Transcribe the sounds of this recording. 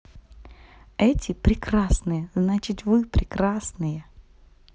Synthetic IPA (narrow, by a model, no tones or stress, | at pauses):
ɛtʲɪpɾʲɪkrasnɨjəznat͡ɕɪt̪ʲvɨpɾʲɪkɾasnɨjə